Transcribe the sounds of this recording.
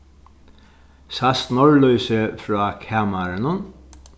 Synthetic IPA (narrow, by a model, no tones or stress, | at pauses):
sast̪nɔɹlœjsəfɾɔːkʰaːmaɾanʊn